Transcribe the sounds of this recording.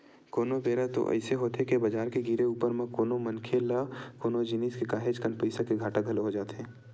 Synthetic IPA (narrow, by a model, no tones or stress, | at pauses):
koːnobeːɾat̪o̰ʔɛ̰ɪseɦoːt̪ekebɐd͡ʒaːɾkeɡiɾeuːpəɾmẽkoːnomɐnkʰelakoːnod͡ʒɪniːskekaːɦed͡ʒkənpəɪsakeɡʱaːʈəkɐlɦod͡ʒaːt̪eɦɛ̃ː